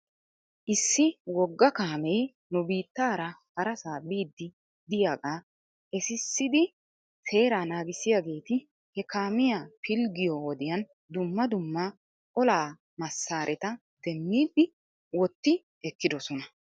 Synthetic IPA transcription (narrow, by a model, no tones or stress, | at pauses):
ʔɪsːɪwɔɡːɐkaːmej | nʊbiːt̪ːaːɾɐhɐɾɐsaːbiːd̪ːɪ | d̪ɪjaːɡaː | ʔɛsɪsːɪd̪ɪ | se̞ːɾaːnaːɡɪsɪjaːɡe̞ːt̪ɪ | hɛkaːmɪjapʰɪlɡɪjɔɔd̪ɪjɐn | d̪ʊmːɐd̪ʊmːɐ | ʔɔlaː | mɐsːaːɾʔɛt̪ɐ | d̪̥ɛmːiːd̪ːɪ | wɔt̪ːɪ | ʔɛkːɪd̪ɔsɔnɐ